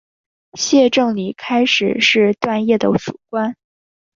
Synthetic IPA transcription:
ɕjɛ˥˧ʈ͡ʂɤ˥˩ŋli˨˩kʰa˥ɪʂɻ̩˨˩ʂɻ̩˥˧t̪wa˥˧njɛ˥˩d̪ə˦ʂu˨˩kwa˥n

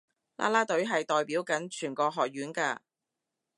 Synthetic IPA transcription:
la̰ː˥laː˥t̪ɵ˨˥ɥɦɐ˨jt̪ɔː˨jpiː˨˥wkɐ˨˥nt͡ʃʰyː˨˩nkɔː˧ɦɔː˨k̚jɥyː˨˥nkaː˧

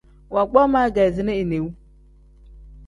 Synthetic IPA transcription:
wa˨ɡ͡bɔ˦ma˦ɡa˨zi˨ne˦i˨ne˨wu˦

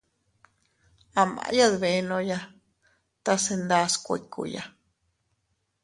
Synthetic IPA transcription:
a˨mã̰˨˧ja˦ðβe˧nõ˧ja˦ | t̪a˦se˧nd̪a˦skʷḛ˨ikṵ˧ja̰˨

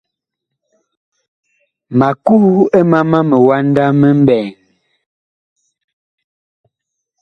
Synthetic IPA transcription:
ma˨ku˦e˦ma˦ma˦mə˨wa˦n˦da˦mə˦m˦bɛː˨ŋ

